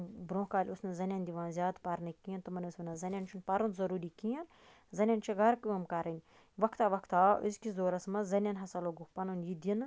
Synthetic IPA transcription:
bɾõːkaːlʲʊsnɨzɐnʲand̪iʋãːnzʲjaːd̪paɾnɨkijɐnt̪umɐnusʋɐnɐzɐnʲɐnt͡ʃʰunpɐɾunzɐɾuːɾikijɐn | zɐnʲɐnt͡ʃʰɐɡɐɾkuɐmkaɾɐnʲ | ʋɐkʰt̪aːʋɐkʰt̪aːʔɨ̰zkʲizoːɾɐsmɐzɐnʲɐnɦɐsɐloɡupɐnunjid̪ʲənɨ

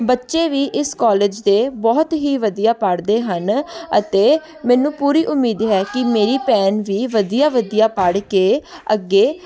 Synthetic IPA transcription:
bətːʃeːʋiːʔɪskɔːleːd͡ʒd̪eːbɔːt̪ɦiːʋəd̪ijaːpəɽd̪eːɦənə̰t̪eː | mɛ̃ːnũːpuːɾiːʔʊmːiːd̪ɦɛːkɪmeːɾiːpɛːnʋiːʋəd̪ijaːʋəd̪ijaːpəɽkeːəɡːeː

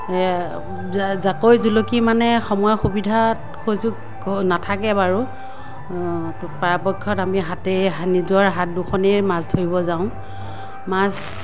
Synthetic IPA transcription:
zakojzulokimanɛxɔmɔjɔxubidʱa | kʰojzuk | natʰakɛbaɹu | paapɔkʰːɔtamiɦatɛɦanidaɹɦat̚duxʰɔnɛmasdʰʱoɹibɔzaʊ̃ | mas

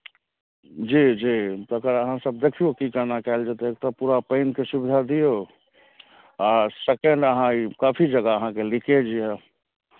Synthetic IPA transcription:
d͡ʒid͡ʒit̪ɔkəɾəɦãsəb̚d̪ekʰijokikənakɛld͡ʒat̪ɔek̚t̪ɔpuɾapəɪnkesubid̪ʱad̪ijo | asekeɳɖəɦãikapʰid͡ʒəɡaəɦãkeliked͡ʒiɛ

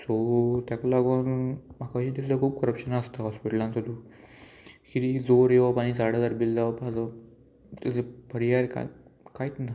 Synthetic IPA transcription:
sot̪jakolaɡunm̤akaɕid̪is̬lakʰuːb̚kəɾəpɕənast̪aɦɔspiʈəlãnt͡səd̪u | kiɾid͡zoɾeʋapaɽ̃is̬aɽad͡zaɾbild̪aʋpad͡zə | t̪at͡sepəɾiaɾka̰kajit̪na

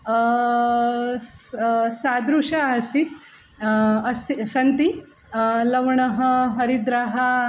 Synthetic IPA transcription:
sad̪ɾuʂaɐsit̪ | ɐst̪sɐnt̪i | lɐʋɳɐɦɐɦɐɾid̪ɾaɦa

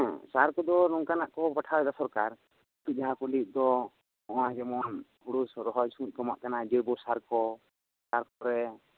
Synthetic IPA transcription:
ɛ̃saɾkɔd̪ɔɾɔŋkanaʔkɔpaʈʰawɛd̪asɔɾkaɾ | t̪ud͡ʒaɦakuliʔ̚ˀd̪ɔ | ɔ̃d͡ʒɛmɔn | uɽusɾɔɦɔd͡ʒsũt̪̚ˀkɔmaʔkanad͡ʒiɾbɔsaɾkɔ | saɾkɔɾɛ

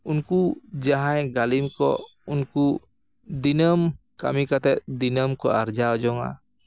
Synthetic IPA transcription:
unkud͡ʒaɦajɡalimkɔ̰ | unku | d̪inəm | ka̰mikat̪ɛʔd̪inəmkɔ̰ard͡ʒaɔd͡ʒɔŋa̰

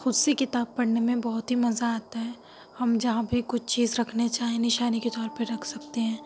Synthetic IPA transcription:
xʊd̪sekɪt̪aːb̚pɐɽnemẽbɐɦʊt̪ɦimɐzaːt̪aɦɛː | hɐmd͡ʒɐɦãbʱikʊt͡ʃʰt͡ʃiːzɾɐkʰnet͡ʃaːɦiẽnɪʃaːniket̪ɔːɾpəɾɾɐkʰsɐkt̪eɦɛ̃ː

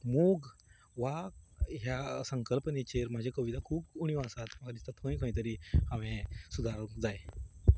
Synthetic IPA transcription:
muɡ | ʋaɦjasəŋkəlpənet͡ɕeɾm̤ad͡ʑʱakəʋid̪akʰuːpuɽ̃ijʋasat̪m̤əkad̪ist̪at̪ʰə̃ĩkʰə̃ĩt̪əɾihaʋẽsud̪ʱaɾd͡zaj

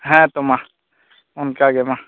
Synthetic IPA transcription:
ɦɛ̃t̪omã | ʊnkaɡemã

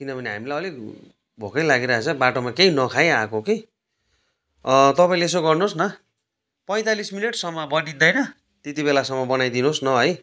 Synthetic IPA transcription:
kinʌbʱʌniɦa̰milajʌlik | bʱokʌjlaɡiɾʌat͡sʰʌbaʈomakejnʌkʰajakoke | t̪ʌpaĩleesoɡʌrnosnʌ | pʌj̃t̪alismineʈsʌmːʌbʌɽid̪ʌjnʌ | t̪et̪ibelasʌmːʌbʌnajd̪inosnʌɦʌj

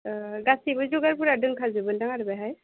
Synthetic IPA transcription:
ɡasibɯzuɡaɹpuɾadɯŋkʰazɯbɯldaŋaɾbɛɦaj

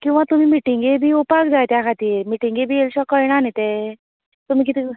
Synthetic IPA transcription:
kĩw̃ʋat̪um̤iːmiʈiŋɡebʱiːupakd͡zajt̪jakʰat̪iːɾmiʈiŋɡebʱiːelɕɔkəiɽ̃anit̪e | t̪um̤iːk̬it̪i

